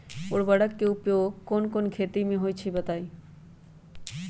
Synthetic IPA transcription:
oɽbəɽəkːeʊpjoːɡkoːnkonkʰeːt̪imẽɦoːjt͡ʃʰibɐt̪aːi

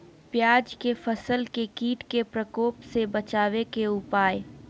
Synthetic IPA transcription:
pjaːd͡ʒkefəsəlkekiːʈkepɾəkoːpsebɐt͡ʃaːwekeʊpaːj

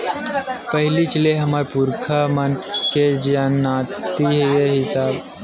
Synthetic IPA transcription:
pəɦɪlit͡ʃəleɦɐmaɾpuɾkʰamənked͡ʒanaːt̪iɦejeɦɪsaːb

